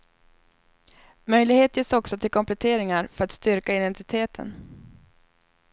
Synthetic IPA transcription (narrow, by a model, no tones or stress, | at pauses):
mœjlɪɡheːt̪jeːsɔksɔt̪ʰɪlkʰɔmplɛt̪ʰeːɾɪŋaɾfœɾat̪st̪ʏɾkaɪd̪ɛnt̪ɪt̪ʰeːt̪ʰə̰n